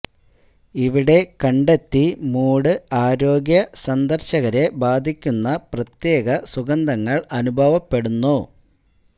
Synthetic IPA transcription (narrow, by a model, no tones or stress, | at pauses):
iʋiɽe̞kɐɳɖe̞t̪ːimuːɽɨaːɾo̞ːɡjɐsɐnd̪ɐrɕɐɣɐɾe̞baːd̪ʱikʲːunːɐprɐt̪je̞ːɡɐsuɡɐnd̪ʱɐŋːɐɭɐnubʱɐʋɐpːe̞ɽunːu